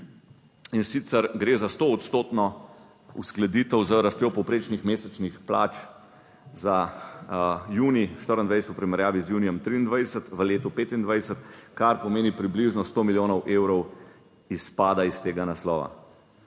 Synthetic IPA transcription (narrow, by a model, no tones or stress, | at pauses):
insit̪səɾɡɾeːzast̪oːt̪st̪oːt̪nɔ | ṵsklɛd̪iːt̪əwzəɾast̪jopɔwpɾeːt͡ʃnixmeːsɛt͡ʃnixpla̰ːt͡ʃ | za | juːniʃt̪əɾind̪ʋajsɛ̥t̪upɾimɛɾjaːʋizjuːnijɛmt̪ɾiːnd̪ʋajɛsət̪ʋəleːt̪upeːt̪ind̪ʋajsət̪kaɾpɔmeːnipɾibliʒnɔst̪oːmiljoːnɔwʔewɾɔw | ispaːd̪aist̪eːɡanaslɔ̰ːʋa̰